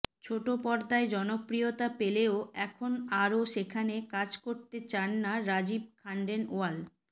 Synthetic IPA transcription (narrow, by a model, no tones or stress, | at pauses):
t͡ɕʰoʈopɔɾd̪aed͡ʑɔnopɾijot̪apeleoɛkʰonaɾoʃekʰanekad͡ʑkoɾt̪et͡ɕanːaɾad͡ʑib̚kʰaɳɖenoal